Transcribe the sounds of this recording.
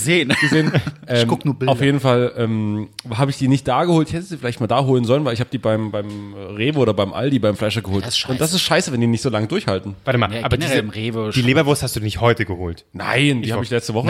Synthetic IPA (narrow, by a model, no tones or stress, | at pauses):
zeːnɡ̥əzeːnʔɛːmɡʊknuːɐbɪaʊfjeːdn̩falʔɛːmɦaːbəɪçd̥iːnɪçt̚d̥aːɡəhoːltɪçhɛtəz̥iːfɪlaɪçtmaːldaːɦoːlənzɔlənvaɪlɪçhaːbəd̥iːbaɪmbaɪmʁeːvəoːɾɐbaɪmʔa̰ldiːbaɪmflaɪʃɐɡəhoːltʊnd̥as̬ɪstʃaɪsəvɛndiːnɪçtz̥oːlaŋədʊɐçhaltn̩vaʁtɪmaaːbɐiʁeːvəd̥iːleːbɐvʊɐsthastd̥uːdinɪçthɔʏtəɡəho̰ːltna̰ɪndiːhabɪçlɛt͡stəvɔχə